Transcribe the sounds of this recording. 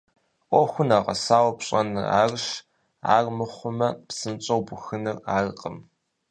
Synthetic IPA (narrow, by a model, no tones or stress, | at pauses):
ʔʷʼɔxʷʊnaːʁɐ̰saːwpɕʼɐnɨa̰ːrɨʃ | a̰ːrmɨχʷʊmɐpsɨnt͡ʃʼɐwbʷʊxɨnɨraːrqʼəm